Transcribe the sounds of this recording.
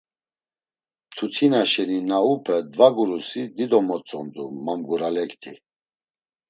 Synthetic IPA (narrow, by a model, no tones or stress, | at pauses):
t̪ʰut̪ʰinaʃɛninaupʰɛd̪vaɡuɾusid̪id̪ɔmɔt͡sʼɔnd̪umamɡuɾalɛkt̪ʰi